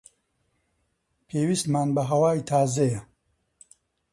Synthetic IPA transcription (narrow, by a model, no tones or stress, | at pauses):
pʰeːwist̪maːnbɐɦɐwaːjt̪ʰaːzɐjɐ